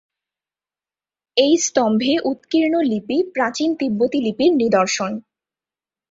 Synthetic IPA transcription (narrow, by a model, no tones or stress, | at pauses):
ejst̪ɔmbʱeʔut̪kiɾnolipipɾat͡ɕint̪ibːot̪ilipiɾnid̪oɾʃon